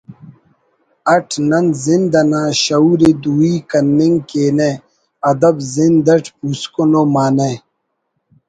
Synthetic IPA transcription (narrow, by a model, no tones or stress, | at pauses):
ɐʈʰnɐnzind̪ɐnaːɕɐuːɾed̪uːikɐnːiŋɡkeːne | ɐd̪ɐbzind̪ɐʈʰpuːskonoːmaːne